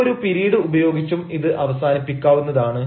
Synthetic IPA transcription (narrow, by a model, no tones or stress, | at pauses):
oɾupiɾiːɽɨubɐjo̞ːɡit͡ɕːumiðɨʔɐʋɐsaːnipːikʲːaːʋunːɐðaːɳɨ